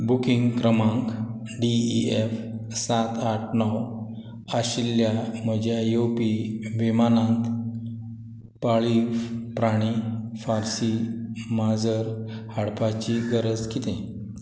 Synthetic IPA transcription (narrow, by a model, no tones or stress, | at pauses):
bukiŋɡkɾəmãŋk | ɖiiefsat̪aʈʰnɔw | aɕiljaməd͡ʑjajopiʋimanãnt̪ | paɭipɾaɽ̃ifaɾsimad͡zəɾhaɽpat͡ɕiɡəɾəd͡zkit̪ẽ